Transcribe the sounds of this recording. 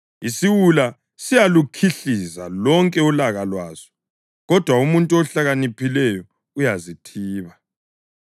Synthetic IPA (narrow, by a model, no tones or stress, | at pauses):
isiwula | sijalukʰiɬiza̰lɔŋkʼɛulaɣalwaːz̥ɔ̥ | ɣɔd̥ʱwaumuntʼuɔɬaɣanipʰilɛjɔ | ujazitʰiːβa